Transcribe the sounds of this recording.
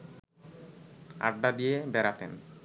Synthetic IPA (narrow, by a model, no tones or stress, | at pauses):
a̰ɖɖad̪ijebɛɾat̪ḛn